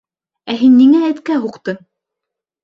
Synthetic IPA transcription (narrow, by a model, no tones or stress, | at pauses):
æɦinːiŋæːt̪kæɦuqt̪ɤ